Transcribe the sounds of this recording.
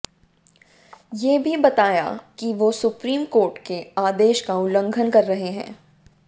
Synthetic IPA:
jeːbʱibɐt̪aːja̰kiʋosʊpɾiːmkoːɾʈkeaːd̪eːʃkaʊlə̃ŋɡʱənkɐɾːɐɦeɦɛ̰̃ː

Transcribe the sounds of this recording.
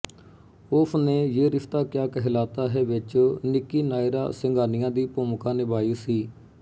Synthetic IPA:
oːpʰneːjeːɾɪft̪aːkjaːkɛɦɪlaːt̪aːɦɛːʋɪt͡ʃnɪkːiːnaːɪɾa̰ːsɪŋɡʱaːnɪjãːd̪iːpoːmkãːnɪbaːiːsiː

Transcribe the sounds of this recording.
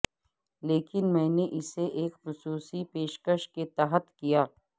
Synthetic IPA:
leːkɪnmɛ̃ːneʔɪseʔeːkxʊsuːsipeːʃkəʃket̪aːɦət̪kijaː

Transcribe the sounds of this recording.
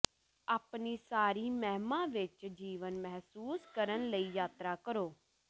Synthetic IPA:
aːpnisaːɾiːmɛɦmãːʋɪt͡ʃd͡ʒiːʋənmɛɦsuːskəɾənləiːjaːt̪ɾakəɾoː

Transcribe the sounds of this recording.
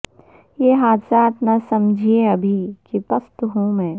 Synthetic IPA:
jeːɦaːd̪saːt̪nɐsɐmd͡ʒʱieɐbʱikipɐst̪ɦõmɛ̃ː

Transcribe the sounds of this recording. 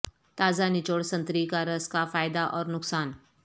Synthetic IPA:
t̪aːzanɪt͡ʃoːɽsɐ̃nt̪ɾikaɾəskafaːjd̪aʔɔːɾnʊksaːn

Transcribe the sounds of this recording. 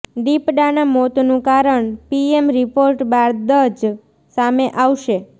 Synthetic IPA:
ɖ̪ipɖanamot̪nũkaɾəɳpiemɾipoɾʈbaɾd̪əd͡ʒ | sameʔaʋʃe

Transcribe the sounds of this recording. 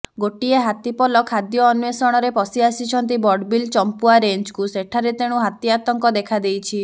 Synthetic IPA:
ɡoʈieɦat̪ipɔlɔkʰad̪jɔːnuesɔɽ̃ɔɾepɔsiasit͡ʃʰɔnt̪̬ibɔɖbilt͡ʃɔmpuaɾeɲd͡ʒkuseʈʰaɾet̪eɽ̃uɦat̪iat̪ɔŋkɔd̪ekʰad̪ejt͡ʃʰi

